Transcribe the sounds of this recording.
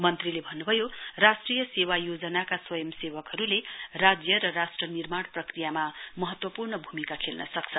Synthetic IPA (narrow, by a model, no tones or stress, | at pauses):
mʌnt̪rilebʱʌnːubʱʌjorasʈrijʌsewajod͡zʌnakaswʌjʌmsewʌkɦʌɾulerad͡zjʌɾʌɾasʈrʌnirmaɽprʌkrijamamʌɦʌt̪wʌpurnʌbʱumikakʰelnʌ̰sʌk̚t͡sʰʌ